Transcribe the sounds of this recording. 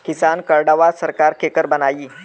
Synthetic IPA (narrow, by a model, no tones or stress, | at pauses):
kisankəɾɖaʋasəɾkaɾkʰekəɾbənajiː